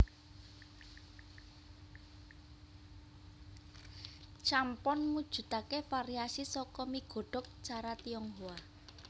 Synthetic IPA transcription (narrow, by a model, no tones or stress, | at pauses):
t͡ʃampɔnmud̥ʒ̥ṳt̪akefaɾiasisɔkɔmiɡ̥ɔ̤ɖ̥ɔ̤k̚t͡ʃaɾat̪iɔŋɦua